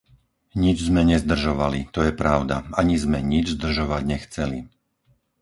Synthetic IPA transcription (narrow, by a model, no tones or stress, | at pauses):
ɲid͡ʒzmɛɲɛzd̪r̩ʒɔʋalit̪ɔjɛpɾaʊd̪a̰aɲizmɛɲid͡ʒzd̪r̩ʒɔʋaɟɲɛxt͡sɛli